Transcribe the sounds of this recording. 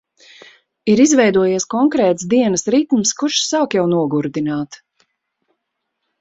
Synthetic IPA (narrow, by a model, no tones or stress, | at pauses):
iɾizvɛjd̪uɔjiskɔŋkɾɛːt̪sd̪iɛnəsɾit̪mskuʃsaːkjawnuɔɡuɾd̪inaːt̪